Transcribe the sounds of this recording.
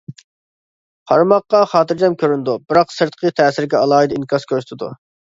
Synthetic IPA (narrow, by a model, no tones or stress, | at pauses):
qʰɑɾmɑqːɑχɑːt̪ʰɨɾd͡ʒɛmkʲʰøɾynd̪ubɪɾɑqsəɾt̪qʰət̪ʰɛːsɪɾɡʲɛɑlˠɑːid̪inkʲʰɑskʲʰøɾsy̥t̪ʰɪd̪ṵ